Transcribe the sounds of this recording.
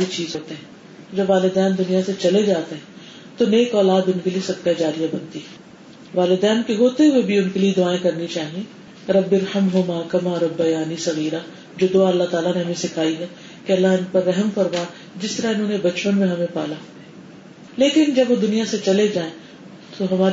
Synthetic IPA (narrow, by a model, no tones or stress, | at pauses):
ɾit͡ʃiːzɦoːt̪eɦɛ̃ː | d͡ʒɐbʋaːlɪd̪ɛːnd̪ʊnijaset͡ʃɐled͡ʒaːt̪eɦɛ̃ː | t̪oneːkɔːlaːd̪ʊnkeliesɐk̚k̪ad͡ʒaːɾijabɐnt̪iɦɛː | ʋaːlɪd̪ɛːnkeɦoːt̪eɦʊebʱiʊnkelied̪ʊaːẽkɐɾnit͡ʃaːɦiẽ | ɾɐbːɪɾhɐmɦʊmaːkɐmaɾɐbːɐjaːnisɐɣiːɾa | d͡ʒoːd̪oaɐlːat̪aːlaneɦɐmẽsɪkʰaːiɦɛː | keɐlːaɦɪnpɐɾːɛɦəmfɐɾmaː | d͡ʒɪst̪ɐɾaɪnɦõːnebɐt͡ʃpənmẽɦɐmẽpaːlaː | leːkɪnd͡ʒɐbʋod̪ʊnijaset͡ʃɐled͡ʒaːẽ | t̪oɦɐmaː